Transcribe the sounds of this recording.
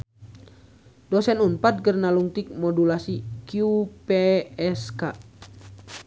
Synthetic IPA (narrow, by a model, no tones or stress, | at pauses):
dɔsɛnumpat̪̚kərnaluŋt̪ik̚mɔdulasikiupɛɛska